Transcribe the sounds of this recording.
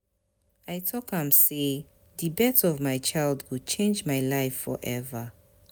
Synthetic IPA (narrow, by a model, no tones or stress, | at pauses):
ajtʰɔkhãmse | ðibɛtɔvmajt͡ʃʰaɪlˠdwud̚t͡ʃʰẽnd͡ʒmajlaɪfɔ̰ɹʔɛvə